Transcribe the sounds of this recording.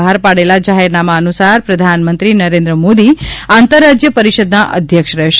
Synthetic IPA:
aɾpaɽelad͡ʒaɦeɾnamaənusaɾpɾəd̪ʱanmənt̪ɾinəɾẽnd̪ɾəmod̪iãnt̪əɾːad͡ʒjəpəɾiʃəd̪naʔə̰d̪ʱjəkʃəɾɛɦʃ

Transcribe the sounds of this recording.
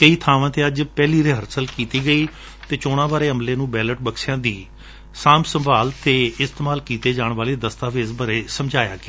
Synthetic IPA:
kəiːt̪ʰaːʋãːt̪eːəd͡ʒpɛːliːɾeːɦəɾsəlkiːt̪iːɡəiː | t̪eːt͡ʃoːɽ̃ãːʋaːɾeːəmleːnũːbɛːləʈ̚bəkʃɪjãːd̪iː | saːmsəmbaːlt̪eːɪst̪eːmaːlkiːt̪eːd͡ʒaːɳʋaːleːd̪əst̪aːʋiɪsbəɾeːsəmd͡ʒaːja̰ːkɪ

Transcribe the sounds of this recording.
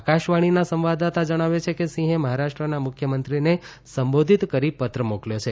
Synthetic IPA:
akaʃʋaɽ̃inasə̃mʋad̪at̪ad͡ʒəɽ̃aʋet͡ʃʰekesĩɦẽməɦaɾaʃʈɾənamʊkʰjəmənt̪ɾine | səmbod̪ʱit̪kəɾipət̪ɾəmokljot͡ʃʰe

